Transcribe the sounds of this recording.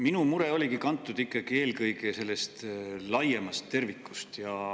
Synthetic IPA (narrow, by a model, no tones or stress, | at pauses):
minumuɾe̞o̞lʲikikɑnt̪ːˑud̪ikˑːɑɡ̥ie̞ːlkɤjɡese̞lːe̞st̪lɑjemɑst̪ːe̞rvikːˑust̪jɑ